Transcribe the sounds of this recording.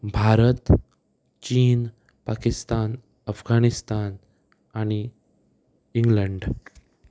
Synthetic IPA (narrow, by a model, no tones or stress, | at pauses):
bʱaɾət̪ | t͡ɕiːn | pakist̪an | əfɡanist̪an | añi | iŋɡləɳɖ